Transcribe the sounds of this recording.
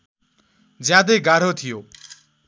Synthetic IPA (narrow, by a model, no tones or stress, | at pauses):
d͡zjãd̪ʌjɡaɽ̤ot̪ʰijo